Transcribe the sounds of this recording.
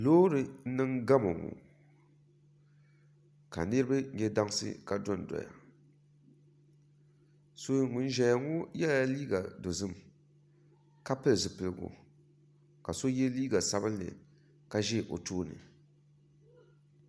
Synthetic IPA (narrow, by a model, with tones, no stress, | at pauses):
loː˦ɾɨ˨n̩˦nɨ˦ŋɡa˦mo˨ŋṵ˨ | ka̰˨nɨ˦ɾɨ˦bɨ˦ɛ˦da˦ŋsɨ̰˦ka˨dɔ˦n˨dɔ̰˨ja̰˨ | so˦ŋʊ˨n˦ʒɛ˨ja˨ŋʊ˦jɛ˦la˦liː˦ɡa˨do˨zɨ˦m | ka˦pɨ˦˨zɨ˨pɨ˨lɨ˦˨ɡʊ̰˨ | ka˨so˦jɛ˦liː˦ɡa˨sa˦bɨ˦nːɨ̰˨ | ka˦ʒɛ˦˨ʔo̰˨toː˦nɨ̰˨